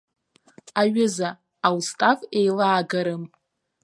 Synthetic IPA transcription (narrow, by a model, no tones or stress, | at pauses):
aɥʊzaː | wstʼafejlaːɡaɾɨm